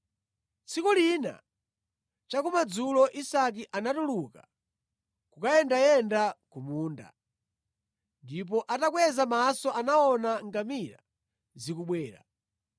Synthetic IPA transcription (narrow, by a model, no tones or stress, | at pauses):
t͡sʰikulina̰ | t͡ʃakumad͡zulɔʔisak̬iʔanatuluka | kukajɛndajɛndakumuːnda̰ | ndip̬ɔʔatakwɛzamasɔʔanaɔnaŋɡamiɾa̰ | zikuɓwɛːɾa̰